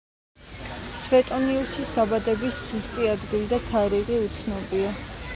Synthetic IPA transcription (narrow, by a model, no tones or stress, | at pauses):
svɛt̪ʼɔniusisd̪abad̪ɛbisz̥ust̪ʼiad̪ɡild̪at̪ʰaɾiʁiut̪sʰnɔbia